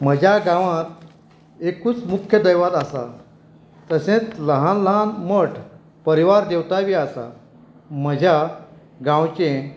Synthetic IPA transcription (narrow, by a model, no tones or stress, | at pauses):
m̤əd͡ʑʱjaɡãʋãt̪ | ekuːt͡smukʰjəd̪əjʋad̪asa̰ | t̪əsẽt͡sləɦãnləɦanməʈ | pəɾiʋaɾd̪ewt̪aʋiasa̰ | m̤əd͡ʑʱja | ɡãwt͡ɕẽ